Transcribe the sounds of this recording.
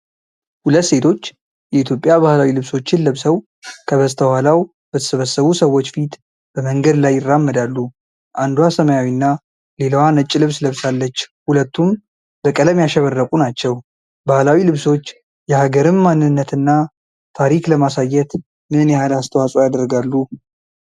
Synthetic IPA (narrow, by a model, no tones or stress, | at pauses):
hulət̪ːse̞t̪ʰo̞t͡ʃː | jɛit̪ʰjopʼːjabahlawilɨβso̞t͡ʃːɪnləβsəw | kʰəβəst̪ʰəhalaw | b̥ət̪ʰə̥səβəsːəβusəwːo̞t͡ʃːfit̪ | b̥əməŋɡəd̪lajːɪrːamːəd̪alːu | ʔand̪uwasəməjawinːa | le̞ləwanət͡ʃʼːɪlɨβsləβsalːət͡ʃːhulət̪ːum | bəkʼələmjaʃɛβərːəkʼunat͡ʃːɛw | bahlawilɨβso̞t͡ʃː | jɛhaɡəɾɨmmanːɨnːət̪ɨnːa | t̪ʰaɾikləmasajɛt̪ | mɨɨnjɛhalast̪ʰəwasʼojad̪əɾɡalːu